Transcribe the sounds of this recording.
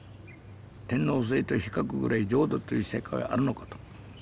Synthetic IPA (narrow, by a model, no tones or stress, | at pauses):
t̪ẽ̞nːos̬eit̪oçi̥kakɯ̟ɡɯ̟ɾʔaid͡ʑo̞ːd̪ot̪ːojisḛːkaḭʔa̰ɾɯ̟no̞kat̪o̥